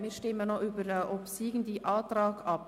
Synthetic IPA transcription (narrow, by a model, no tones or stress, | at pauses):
miːɾʃtɪmənoʔybəɾɛʔɔpsiːɡn̩diːʔɑːtɾɑːɡɑp